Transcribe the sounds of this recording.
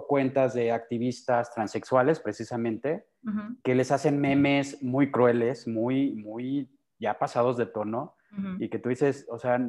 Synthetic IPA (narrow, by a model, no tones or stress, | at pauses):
kwe̞nt̪azðe̞ak̚t̪iβist̪ast̪ɾanse̞kswale̞spɾe̞sisamẽ̞nt̪e̞ | ke̞le̞sase̞nme̞me̞smujkɾwe̞le̞smujmuj | ʝapasaðo̞zðe̞t̪o̞no̞ | ike̞t̪uðise̞sosea